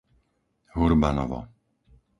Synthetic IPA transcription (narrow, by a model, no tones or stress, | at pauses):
ɦuɾbanɔ̰vɔ̰